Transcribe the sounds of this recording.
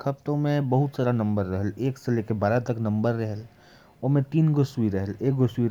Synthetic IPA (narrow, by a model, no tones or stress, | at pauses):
kʰɐp̚t̪õmẽbəɦʊt̪saːɾanə̃mbəɾːəɦəleːksəlekebaːɾat̪əknə̃mbəɾːəɦəl | oːmẽt̪iːnɡʊswiɾəɦəleːk̚ɡʊswi